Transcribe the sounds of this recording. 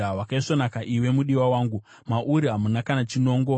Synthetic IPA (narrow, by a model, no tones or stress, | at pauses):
awakaiʂonakaʔiwe̞muɗiwawaːŋɡu | maʔuɾiɦamunakanat͡ʃino̞ːŋɡo̞